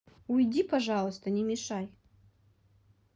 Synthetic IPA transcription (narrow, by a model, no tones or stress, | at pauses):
ujdʲipaʐalˠəst̪ənʲɛmʲɪʂaj